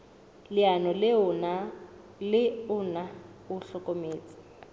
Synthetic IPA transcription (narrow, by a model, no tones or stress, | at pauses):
lɪanɔlɪna | lɪʊna | ʊɬɔkʼomeːt͡sʼɪ̥